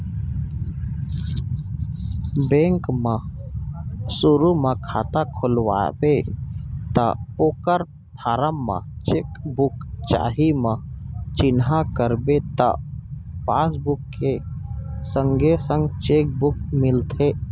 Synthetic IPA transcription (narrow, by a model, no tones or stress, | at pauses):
bẽŋkmã | suɾumãkʰa̰ːt̪akʰʊlwa̰be | t̪a̰oːkəɾ | pʰaːɾamːã̰t͡ʃeːkbʊkt͡ʃa̰ːɦimãt͡ʃɪnɦakəɾbet̪a̰pa̰ːsbʊkːe | sə̃ŋɡesə̃ŋɡt͡ʃeːk̚bʊk̚mɪlt̪ʰe